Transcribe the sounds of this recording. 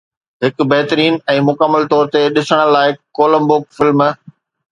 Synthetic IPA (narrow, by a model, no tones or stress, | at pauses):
ɦɪk̆bɐɦt̪ɾiːnɛ̃ːmʊkəməlt̪ɔːɾt̪eɗɪsəɽ̃əlːaːɪkoːlə̃mbʊkfɪlm